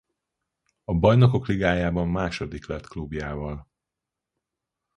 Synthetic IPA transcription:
ɒbɒjno̞ko̞kliɡaːjaːbɒmːaːʃo̞d̪iklɛt̪klubjaːvɒl

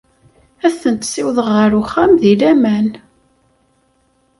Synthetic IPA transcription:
æθənt̪sɪwðəʁəɾuχːæmðilæmæn

